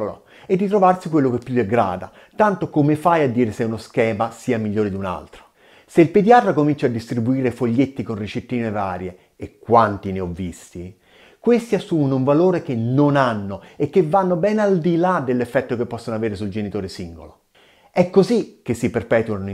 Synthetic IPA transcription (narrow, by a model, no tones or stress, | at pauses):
lo̰ | ed̪ːit̪ɾovarsikwelːokepːjud̪eɡɾa̰ːd̪a̰ | t̪ant̪okomefajad̪ːiːɾesɛunoskɛːmasiːamiʎːoːɾed̪iuna̰lt̪ɾo̥ | seilpid̪iat̪ɾakomint͡ʃad̪ːist̪ɾibuiːɾefoʎːet̪ːikonrit͡ʃet̪ːiːnevaːɾjeː | kːwant̪ineɔvːist̪i | kwest̪iasːumonuɱvaloːɾek̟enːonanːoekːevːanːobɛnald̪ilad̪elːefːɛt̪ːokepːɔsːonoaveːɾesuld͡ʒenit̪oːɾesiŋɡo̰lo | ɛkːozik̟esːiperpɛːt̪uan